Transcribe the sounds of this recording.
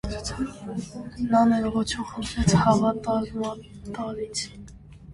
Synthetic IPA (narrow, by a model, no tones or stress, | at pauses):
nɑnɛɾʁɔt͡ʃʰuχənt̪ʰɾɛt͡sʰhɑvɑt̪ɑmɑ | t̪ɑɾit͡sʰ